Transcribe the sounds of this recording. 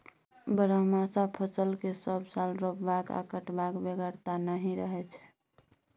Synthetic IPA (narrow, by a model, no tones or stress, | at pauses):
bəɾəɦmasapʰəsəlkesəbsalɾopbaka̰kəʈbakbeɡəɾt̪anəɦĩɾəɦɛt͡ʃʰɛ̥